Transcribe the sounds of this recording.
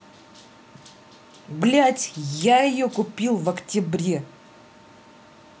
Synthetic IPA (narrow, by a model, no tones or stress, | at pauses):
ɡlʲatʲjaɪjokʊpʲilˠvɐktʲɪbɾʲe